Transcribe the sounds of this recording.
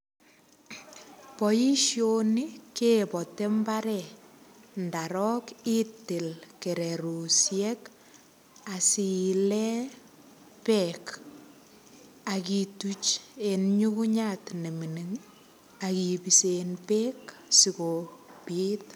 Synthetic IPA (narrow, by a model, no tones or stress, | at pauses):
pɔjiʃjonikepɔtembaɾɛ | ndaɾɔkitelkeɾeɾusjɛk | asilɛ | pɛk | akitut͡ʃenɲukuɲatneminiŋ | akipisenpeksikopit